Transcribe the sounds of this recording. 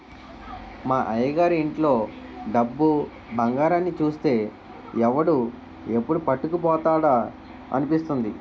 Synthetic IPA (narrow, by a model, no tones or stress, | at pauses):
maːʔɐjɐɡaːɾeɳʈlo̞ːɖɐbːu | bʱɐŋɡaːɾaːnːit͡ʃuːst̪e̞ː | ɛʋɐɽu | e̞pːuɽupɐʈːukup̬ɔːt̪aːɽa | ɐ̰nipist̪und̪i